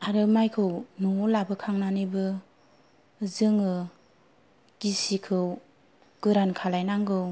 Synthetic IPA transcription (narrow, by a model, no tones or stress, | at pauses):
aɾɯmajkʰɯwnulabɯkʰaŋnanibɯ | zɯŋɯ | ɡ̥isikʰɯw | ɡ̥ɯɾankʰalajnaŋɡɯw